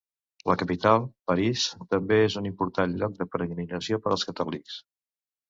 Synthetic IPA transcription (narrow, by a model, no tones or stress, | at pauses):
ləkəpit̪alˠpəɾist̪əmbeezunimpuɾt̪anʎɔk̚d̪əpɾəɣninəsiopəɾəlˠskət̪ɔliks